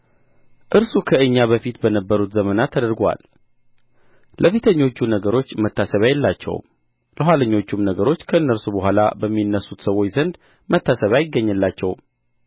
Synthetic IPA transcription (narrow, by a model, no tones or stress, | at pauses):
ʔɨɾsukʰəɨɲːaβəfit̪bənəbːəɾut̪zəmənat̪ʰːəd̪əɾɡwa̰l | lʔəfet̪ʰəɲːo̞t͡ʃːunəɡəɾo̞t͡ʃːmət̪ːasəβajɛlːat͡ʃːɛ̰w | ləɦwaləɲːo̞t͡ʃːumnəɡəɾo̞t͡ʃːkʰəɨnːəɾsubəɦʷala̰bəmːinːəsːut̪səwo̞t͡ʃzənd̪ | mət̪ʰːasəβajɪɡːəɲːəlːat͡ʃːɛw